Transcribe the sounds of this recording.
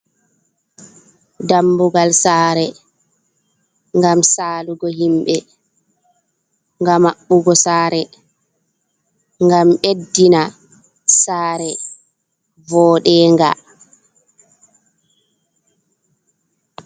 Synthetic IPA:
dambuɡalsaːɾɛ | ŋɡamsaːluɡɔhimɓɛ | ŋɡamaɓːuɡɔsaːɾɛ | ŋɡamɓedːina | saːɾɛ | vɔːɗɛːŋɡa̰

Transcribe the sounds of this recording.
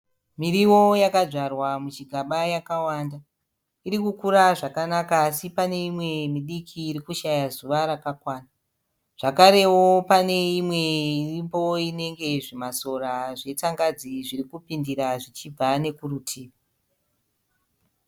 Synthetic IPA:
miɾiwo̞jakaʐarwamut͡ʃiɡʱaɓajakawanda | iɾikukuɾaʐakanakaːsipane̞imwe̞miɗikʰiːɾikuʃajazuʋaɾakakwaːna | ʐ̥akaɾe̞wopane̞imwe̞irimbo̞ine̞ŋɡe̞ʐimaso̞raʐe̞t͡saŋɡad͡ziʐirikupindiɾaʐit͡ʃib͡vane̞kurutʰiːʋa

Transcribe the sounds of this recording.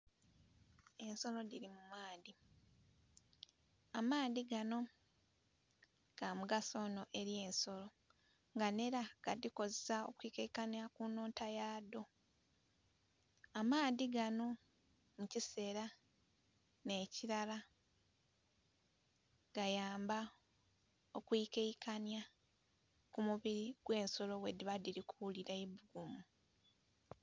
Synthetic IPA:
e̞nso̞lo̞diɾimumaːdi | amaːdiɡano̞ | ɡ̥amuɡaso̞no̞ʔe̞ɾje̞ːnso̞lo̞ | ŋɡane̞ɾaɡ̥adiko̞zesao̰kuikekanakunoːntajaːdo̞ | amaːðiɡano̞ | mucise̞ːɾa | ne̞ːciɾala | ɡ̥ajaːmba | okwikeikanja | kumuβiɾiɡ̥we̞ːnso̞lowediβadiɾikuuliɾaiβuɡumu

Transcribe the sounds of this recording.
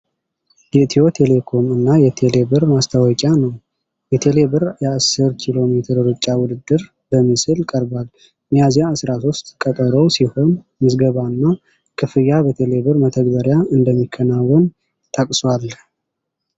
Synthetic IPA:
jɛt̪ʰiot̪ʰe̞le̞kʰo̞mɨnːajɛt̪ʰe̞le̞bɨɾmast̪ʰawɔkʼanəw | jɛt̪ʰe̞le̞bɨɾjɛasːɨɾkʰilo̞met̪ʰɨɾɾɨt͡ʃʼːawʊd̪ɨd̪ːɨɾ | bəmːɨsɨlkʼəɾbal | mjazjaːsɾasost̪kʼət̪ʼəɾəwsiho̞n | mɨsɡəβaɨnːa | kʰʼɨfɨjabət̪ʰe̞le̞βɨɾmət̪ʰəɡbəɾjaɨnd̪əmːikʰːənawːɔn | t̪ʰʼəkʼswal

